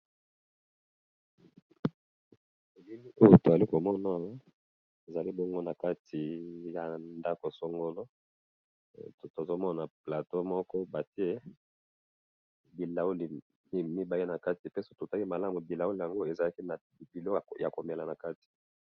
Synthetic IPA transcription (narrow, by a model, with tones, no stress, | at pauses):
e˨li˦mi˦o˦jo˦to˨a˨li˦ko˨mɔ˦na˦ | e˨za˨li˦bo˦ŋɡo˦na˨ka˦tʰi˨ja˨nda˦ko˨so˦ŋɡo˦lo˦˨ | to˨zo˦mɔ˦na˨pla˨to˦mɔ˦kɔ˦ba˨ti˦e˦ | bi˨la˨u˦li˨ | i˦mi˦ba˨i˦na˨ka˦ti˨pe˦so˦to˨ta˦ki˦ma˨la˦mu˨bi˨la˨wu˦li˨ja˨ŋɡo˦e˨za˨la˦ki˦na˨ | bi˨lo˦˨ja˨ko˨me˨la˨na˨ka˦ti̥˨